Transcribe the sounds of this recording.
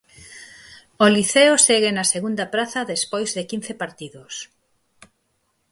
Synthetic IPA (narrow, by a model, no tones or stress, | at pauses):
oliθeoseɣenɐseɣund̪ɐpɾaθɐðespojzðekin̟θepaɾt̪iðʊs